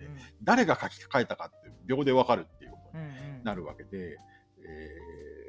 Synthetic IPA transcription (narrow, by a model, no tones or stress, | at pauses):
ed̪aɾe̞ɡakakʲi̥kḁkae̞t̪akat̪ːeɯbʲjo̞ːd̪e̞β̞akaɾɯ̟t̪ːe̞jɯ̟kot̪oɲinaɾɯ̟βa̰ke̞d̪e̞ | eː